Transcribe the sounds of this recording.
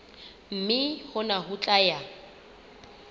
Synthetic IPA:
m̩mɪhʊnaɦut͡ɬʼaja

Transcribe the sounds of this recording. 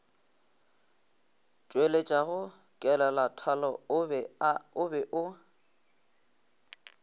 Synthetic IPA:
t͡ʃʼwelet͡ʃʼaɣʊ | kʼɛlalatʰalɔ | ʊbɛʔʊ

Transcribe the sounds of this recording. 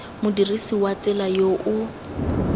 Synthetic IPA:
mʊdirisiwat͡sʼɛlajoʔʊ

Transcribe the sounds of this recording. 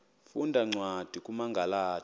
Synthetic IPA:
fundʱaŋ͡ǀwad̥ʱikʼumaŋɡʱalaː

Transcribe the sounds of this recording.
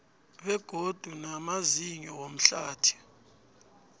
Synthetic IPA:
ɓɛɡ̥ʱod̥ʱunamaziɲɔwom̩ɬaːtʰi̥

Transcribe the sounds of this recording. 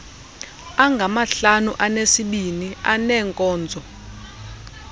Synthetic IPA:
aŋɡʱamaɬanuʔanesiɓinianɛːŋkʼɔːnd͡zʱɔ

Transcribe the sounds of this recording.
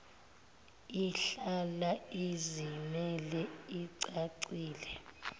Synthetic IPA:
iɬalaizimɛlɛiǀaǀiːlɛ

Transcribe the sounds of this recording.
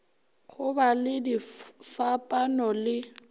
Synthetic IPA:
ɣʊbalɪdifapʼanɔlɪ

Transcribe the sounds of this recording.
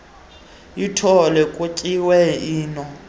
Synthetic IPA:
jitʰɔlɛkʼucʼiwɛiːnɔ

